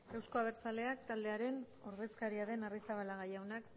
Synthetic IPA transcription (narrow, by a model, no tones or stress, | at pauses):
ewsko̞aβ̞e̞ɾt͡sale̞ak̚t̪ald̪e̞aɾe̞n | oɾðe̞skaɾiaðe̞narisaβalaɣajawnak